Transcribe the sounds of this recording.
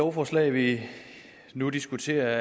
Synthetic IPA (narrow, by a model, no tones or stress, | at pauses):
ɒʊfɒːslɛ̰ɪʋi | nud̥isɡ̥ut͡sʰe̝̰ːɐ